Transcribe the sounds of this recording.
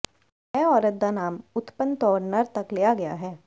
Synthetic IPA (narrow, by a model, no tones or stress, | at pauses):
ɛːɔːɾət̪̚d̪anaːmʊt̪pənt̪ɔːɽnəɾt̪ɐklejaɡɐja̰ɦɛː